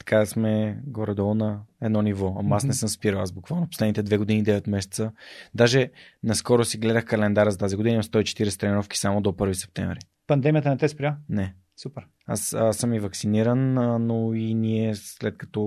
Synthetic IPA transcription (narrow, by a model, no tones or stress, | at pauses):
t̪ɐ̥kasmɛɡoɾɛd̪ɔlˠnɐɛd̪nɔnivɔɐmasnɛsəmspiɾəlˠazbukvalˠnoposlɛd̪nit̪ɛd̪vɛɡod̪inid̪ɛvɛt̪mɛsɛ̥t̪səd̪aʒɛnɐskɔɾosiɡlɛd̪əxkɐlɛnd̪aɾəzɐt̪aziɡod̪inimst̪ɔit͡ʃɛ̥t̪iɾɛsɛt̪ɾɛniɾɔfki̥samod̪opɤɾvisɛ̥p̚t̪ɛ̰ɱvɾi | pɐnd̪ɛmiət̪ənɛt̪ɛspɾʲjanɛ | supɛɾ | a̰səsəmivɐksiniɾənnoiniɛslɛt̪̚kɐ̥t̪ɔ